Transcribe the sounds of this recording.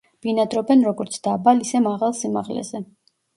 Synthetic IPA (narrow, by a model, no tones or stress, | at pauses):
b̥inad̪ɾɔbɛnɾɔɡɔɾt̪sʰd̪̥abalisɛmaʁalˠsima̰ʁlɛ̰zɛ